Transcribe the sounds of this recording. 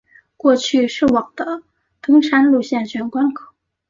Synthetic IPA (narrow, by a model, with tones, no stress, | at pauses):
kwɔ˥˧t͡ɕʰy˥˧ʂɻ̩˥˩wɑ˨˩ŋd̪ə˦ | t̪ɤ˥ŋʂa˥nlu˥˧ɕjɛ˥˩nɕɥɛ˧˥nkwa˥nkʰɑ˨˩˦